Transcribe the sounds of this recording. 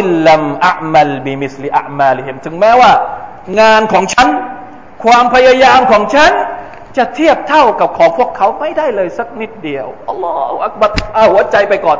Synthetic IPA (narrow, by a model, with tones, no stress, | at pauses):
a˧mʔa˦ʔma˧lbi˨mi˦˩sli˧ʔa̰˨ʔmaː˧li˦ɦi˧mt̪ʰɯ˩˦ŋmɛː˦˥waː˥˩ | ŋaː˧nkʰɔː˩˦ŋt͡ɕʰa˦˥n | kʰwaː˧mpʰa˧ja˧jaː˧mkʰɔː˩˦ŋt͡ɕʰa˦˥n | t͡ɕa˨˩t̪ʰi˥˩əp̚t̪ʰa˥˩wka˨˩p̚kʰɔː˩˦ŋpʰu˥˩əkʰːa˦˥wma˥˩jda˥˩jlɤː˧jsa˧˥˩k̚ni˦˥˩t̪̚di˧əwʔɑ˧lːɔː˦˥hu˧ʔa˧˥k̚ba˧˩ɾ̚ʔa˧˩whu˩˦ɐt͡ɕa˧jpa˧jkɔː˨˩n